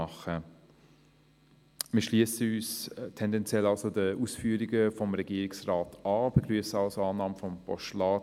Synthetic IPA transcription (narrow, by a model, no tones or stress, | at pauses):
ɑχə | mɪːʃliəsəyːstʰɛndɛnt͡sjɛlɑlsodəʔuːsfyːəɾiɡəfɔmʁɛɡiːɾɪksraːtɑːb̥eɡʁyəsəɑlsɑːnɑːməfɔmpʰɔ̰ʃtlɑː